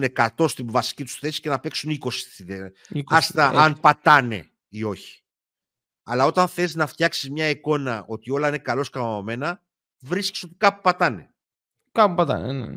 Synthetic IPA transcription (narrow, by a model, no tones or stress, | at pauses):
ne̞kɐt̪o̞st̪ivɐsi̥cit̪u̥sθe̞si̥ce̞nɐpe̞ksuniko̞si̥t̪siðe | ikɐst̪ɐɐnpɐt̪ɐne̞̰ | io̞çi̥ | ɐlɐo̞t̪ɐnθeiznɐft̪çɐksizmɲɐiko̞nɐo̞t̪io̞lɐine̞kɐlo̞skɐmɐome̞nɐ | vɾisce̥so̞t̪i̥kɐpupɐt̪ɐne̞̰ | kɐpupɐt̪ɐ̰nḛnḛ